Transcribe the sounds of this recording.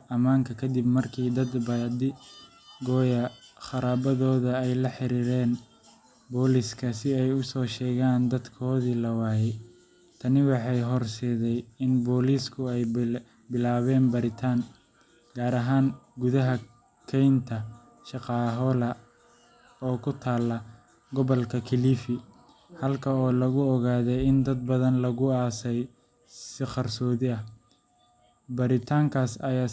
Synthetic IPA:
ɐmaːŋkʰɐkʰɐd̪ibmɐrkʰiːd̪ɐd̪bɐd̪ɪ | ɡɔːjɐχɑɾaːbɐðɔːðɐɛjlɐħɪɾiːɾɛːn | bɔːliskʰɐsɪɛjʊsɔːʃɛːɣaːnd̪ɐd̪kʰɔːðiːlɐwaːjɛ | t̪ʰɐnɪwɑħɑjɦɔrsɛːðɛjɪnbɔːliːskʰʊɛj | bɪlaːβɛːnbɐɾɪt̪ʰaːŋ | ɡaːɾɐɦaːŋɡʊðɐɦɐ | kʰɛjnt̪ʰɐ | ʃɑqɑːɦɔlɐ | ɔːkʰʊt̪ʰaːlːɐ | ɡɔβɔlkʰɐkʰɪliːfɪ | hɐlkʰɐɔːlɐɣʊɔɣaːðɛjɪnd̪ɐd̪̚bɐðɐnlɐɣʊaːsɛj | sɪqɑrsɔːðɪɐh | bɐɾɪt̪ʰaːŋkʰaːsɐjaː

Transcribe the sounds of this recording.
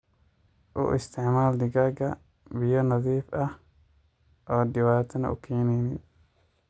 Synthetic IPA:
ʔʊ̰ʔɪst̪ʰɪʕmaːld̪ɪɡaɡɐ | bɪjɔnɐðiːfʔɐh | ʔɔːd̪ɪwaːt̪ʰɐnɐ̰ʔʊ̰kʰɛːnɛjnɪ

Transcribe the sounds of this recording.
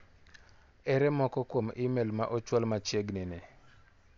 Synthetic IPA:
ɛɾɛmɔkɔkwomɪmɛlmaʔɔt͡ʃwalmat͡ʃjeɡnɪnɪ

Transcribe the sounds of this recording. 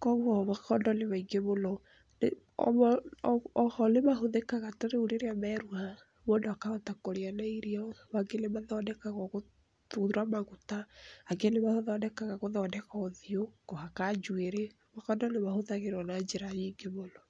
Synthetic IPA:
kɔɣɔβakɔndɔneβaiŋɡemolɔ | ne | ɔ̰ | ɔhɔlemaɦoðekaɣatoɾeuɾeɾeamɛɾuha | mondoakaɔtakoɾeanaiɾiawaɡenemaðɔnɛkaɣɔɣo | tuðuɾamaɣutaaɡenemahoðɔnɛkaɣaɣoðɔnɛkaoðiokohakad͡ʒueɾe | makɔndɔnemahoðaɣeɾɔnad͡ʒeɾaɲiːŋɡeβolɔ

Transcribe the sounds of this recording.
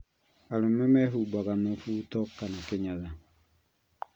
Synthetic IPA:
alomɛmɛɦubakanɔfutɔkːanakɪɲaza

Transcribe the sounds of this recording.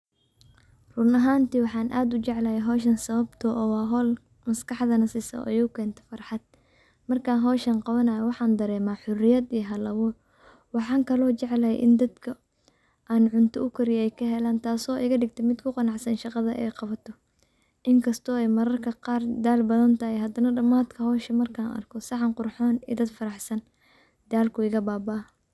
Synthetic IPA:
rʊnɐɦaːnt̪iːwɑħɑːnʔaːd̪ʊt͡ʃɛʕlɐjɛɦɔːʃɐnsɐβɐbt̪ʰɔʔɔːwɑːɦɔːl | mɐskʰɑħðɐnɐsɪsɐ̰ʔɔ̰jʊʊkʰɛːnt̪ʰɐ̥fɐrħɑd̪̥̚ | mɐrkʰaːnɦɔːʃɐnqɑβɐnɐːjɐwɑħɑːnd̪ɐɾɛːmaːħʊrɪjɐd̪ijɐɦɐlɐβuːr | wɑħɑːŋkʰɐlɔːt͡ʃɛʕlɐjɛ̰ʔɪnd̪ɐd̪kʰɐ | ʔaːnʕʊnt̪ʰɔʊkʰʊɾɪjɛjkʰɐɦɛlaːnt̪ʰaːsɔːʔɪɣɐɖɪɡ̚t̪ʰɛmɪd̪kʰʊqɑnɑʕsɐnʃɑqɑðɐʔɛ̰jqɑβɐt̪ʰɔ | ʔɪŋkʰɐst̪ʰɔːɛjmɐɾɐrkʰɐqɑːrd̪aːlbɐðɐnt̪ʰɐɦɛjɦɐd̪ɐnɐɖɐmaːd̪kʰɐhɔːʃɐmɐrkʰaːnɐ̰rkʰɔsɑʕɑŋqʊrħɔːnḭːd̪ɐd̪fɐɾɑħsɐn | d̪̥aːlkʰʊɪɣɐbaːbaː

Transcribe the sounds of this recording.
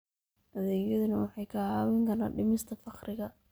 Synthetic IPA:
ʔɐðɛːjɐðʊnɐwɑħɑjkʰahaːwɛŋkʰɐɾaːɖɪmɪst̪ʰɐfɑqɾɪɣɐ

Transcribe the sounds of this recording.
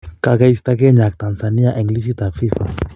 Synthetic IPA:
kakaist̪ak̬eɲak̚t̪ansaniaʔɛŋɡlisit̪afifa̰

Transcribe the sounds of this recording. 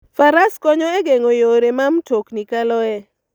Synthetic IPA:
faɾaskɔɲɔɛɡeŋojoɾemamtoknikalɔɛ

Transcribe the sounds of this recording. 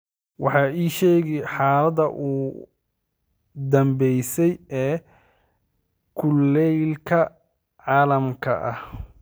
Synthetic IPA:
wɑħɑːiːʃɛːɣɪħɑːlɐdɐʔuː | d̪ɐmbɛjsɛjɛː | kʰʊlːɛjlkʰɐ | ʕɑːlɐmkʰɐ̰ʔɐ̰h

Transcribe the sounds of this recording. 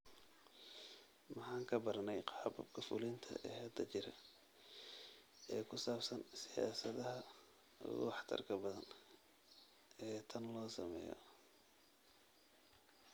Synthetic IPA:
mɑħɑːŋkʰɐbɐrnɛjqɑɑbɐbkʰɐfʊlɪnt̪ʰɐ̰ʔɛhɛd̪ɐt͡ʃɪɾɐ | ɛːkʰʊsaːbsɐnsɪja̰ːsɐðɐɦɐ | ʊ̰ɣʊ̰wɑħt̪ʰɐ̰rkʰɐbɐðɐn | ɛːt̪ʰɐnlɔːsɐ̰mɛ̰ːjɔ̰

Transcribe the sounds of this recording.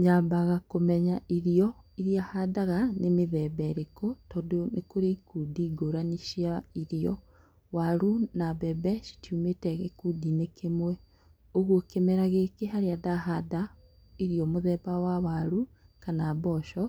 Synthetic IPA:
ɲaːbaɣakomɛɲaʔiɾiɔiɾiahadaɣanemeðɛbɛɾekotɔdonekoɾeikudiːɡoɾaniʃiaiɾiɔ̰ | waɾunabɛbɛʃi̥tjumeːtɛɣekuːdinekemwɛ | oɣwokemɛɾaɣekeɦaɾeadaɦada | iɾiɔmoðɛːbawawaɾukanaːbɔʃɔ

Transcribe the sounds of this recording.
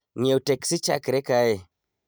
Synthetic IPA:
ɲeuteksit͡ʃa̰kiɾekaje

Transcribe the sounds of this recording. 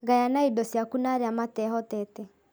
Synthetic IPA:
ɣajanaidɔsjakunaɾeamatɛɦɔtɛtɛ

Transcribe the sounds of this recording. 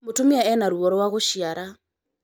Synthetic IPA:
motomiaɛnaɾuɔɾwaɣoʃiaɾa

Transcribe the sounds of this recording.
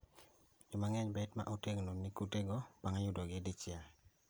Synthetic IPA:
jʊmaŋɛɲbɛtma̰ʔuteɡnonikuteɡob̥aŋajʊdɔɡɪdit͡ʃɪa

